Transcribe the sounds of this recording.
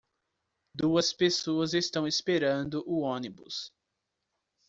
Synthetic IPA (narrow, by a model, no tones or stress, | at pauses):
d̪uɐspesoɐzest̪ɐ̃w̃espeɾɐ̃nd̪ʊʔʊõnibʊ̰s